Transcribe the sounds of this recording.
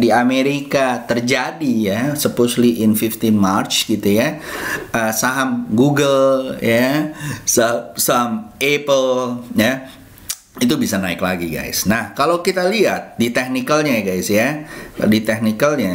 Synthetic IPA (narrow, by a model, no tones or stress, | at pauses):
diameɾikat̪ərd͡ʒadijasəposliʔɪnfift̪inmart͡ʃɡit̪ujaʔəsaɦamɡuɡəljasasamepəlja | it̪ubisanaɪklaɡiɡa̰jsnahkalawkit̪aliat̪̚dit̪ek̚nikəlɲaɡajsjadit̪ɛk̚nikəlɲa